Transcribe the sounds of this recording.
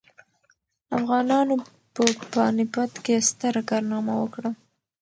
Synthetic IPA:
afɣɑnɑno | pəpanɪpat̪kest̪əɾakɑɾnɑmawəkɽa

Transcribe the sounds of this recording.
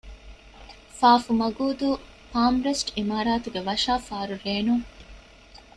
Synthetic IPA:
faːfumɐɡuːd̪u | paːmɾesʈimaːɾaːt̪uɡeʋɐʃaːfaːɾuɾeːnuŋ

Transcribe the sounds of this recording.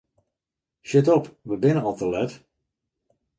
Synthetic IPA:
ʃɪtɔpʋəbɪnəɔlˠtəlɛt

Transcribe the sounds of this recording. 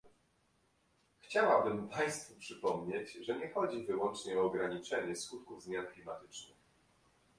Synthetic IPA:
xt͡ɕawabɘmpaj̃st̪fupʂɘpɔmɲet͡ɕʐɛɲɛxɔd͡ʑivɘwɔnt͡ʂɲɛɔːɡɾaɲit͡ʂɛɲɛskut̪kuvzmʲjanklʲimat̪ɘt͡ʂnɘ̰x

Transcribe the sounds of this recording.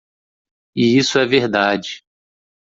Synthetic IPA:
ɪisʊɛveɾd̪ad͡ʒɪ

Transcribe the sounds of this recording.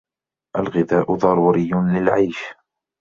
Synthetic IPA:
ʔalɣɪðaːʔʊðˤɑɾˤuːɾɪjːʊlɪlʕajʃ

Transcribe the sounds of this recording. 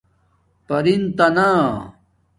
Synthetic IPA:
pɐɾint̪ɐna

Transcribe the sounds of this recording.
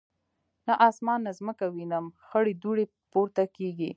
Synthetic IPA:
naʔɑsmɑnːazməkawinəmxəɽed̪uɽe | poɾt̪akeɡi

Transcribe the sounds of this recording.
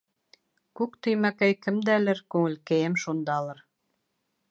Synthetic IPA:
kukt̪yjmækæjkɘ̆md̪ælɘ̆ɾkuŋɘ̆lkejemʃond̪ɑlˠɤ̆ɾ

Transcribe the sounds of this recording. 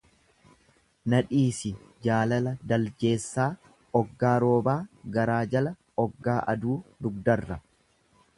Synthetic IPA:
nɐᶑiːsɪ | d͡ʒaːlɐlɐd̪ɐld͡ʒe̞ːsːaː | ɔɡːaːɾo̞ːbaːɡɐɾaːd͡ʒɐlɐ | ɔɡːaːʔɐ̰d̪uːd̪ʊɡ̚d̪ɐrːɐ

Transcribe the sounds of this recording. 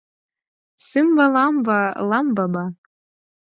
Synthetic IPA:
sɨmbalambalambaba

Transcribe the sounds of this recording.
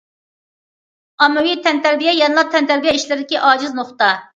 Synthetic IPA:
ɑmːɛwit̪ʰɛnt̪æɾbijɛjɛnlˠɑt̪ʰɛnt̪æɾbijɛiʃlɪɾɪd̪ɪkʲiʔɑːd͡ʒɪznoχt̪ɑ

